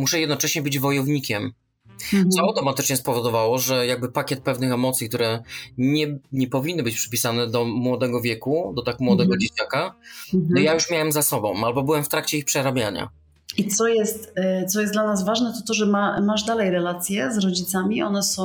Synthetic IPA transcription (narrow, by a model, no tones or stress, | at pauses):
muʂɛjɛd̪nɔt͡ʂɛɕɲɛbɘd͡ʑvɔjɔvɲikʲɛm | ɔɔt̪ɔmat̪ɘt͡ʂɲɛspɔvɔd̪ɔvawɔʐɛjaɡ̚bɘpakʲɛt̪̚pɛvnɘxɛmɔt̪sʲjikt̪uɾɛɲɛɲɛpɔvʲinːɨbɘt͡ɕpʂɘ̥pʲisanɛd̪ɔmwɔd̪ɛɡɔvʲjɛkud̪ɔt̪akmwɔd̪ɛɡɔd͡ʑet͡ɕakanɔjajuʂmʲjawɛmzasɔbɔ̰̃w̃albɔbɘwɛmft̪ɾakt͡ɕɛixpʂɛɾabʲjaɲa̰ | it̪sɔjɛst̪t̪sɔjɛsd̪lanazvaʐnɛt̪ɔt̪ɔʐɛmamaʐd̪alɛjɾɛlat̪sʲjɛzɾɔd͡ʑit̪samʲiʔɔnɛsɔ̃